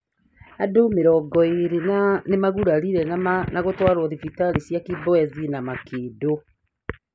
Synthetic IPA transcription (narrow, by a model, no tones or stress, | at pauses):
adomeɾɔɡɔiɾinanemaɣuɾaɾiɾɛnaɣotwaɾoðifitaɾisjakibɔɛzinamakʰeːdo